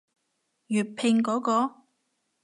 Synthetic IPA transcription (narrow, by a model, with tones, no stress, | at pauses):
jyː˨t̚pʰɪ˧ŋkɔː˨˥kɔː˧